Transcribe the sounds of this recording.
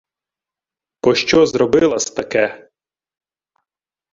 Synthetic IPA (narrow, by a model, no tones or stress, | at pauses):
pɔʃt͡ʃɔzɾɔbɪlˠɐsʲt̪ɐkɛ